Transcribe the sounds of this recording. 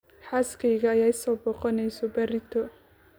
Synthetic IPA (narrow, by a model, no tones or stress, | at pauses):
ħaskʰɛjɣɐːjaːɪsɔːbɔːqɔnɛjsɔbɐɾɪt̪ʰɔ